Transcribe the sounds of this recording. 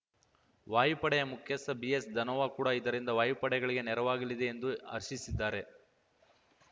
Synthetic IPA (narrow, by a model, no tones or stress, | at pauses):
ʋaːjipɐɽɛjɐmukʰjɐsɐbiesd̪ʱɐnɔʋakuːɽaid̪ɐɾind̪ɐʋaːjipɐɽɛɡɐɭiɡe̞nɛɾɐʋaːɡilid̪e̞ːnd̪uɐ̰ɾʃisid̪ːaːɾe̞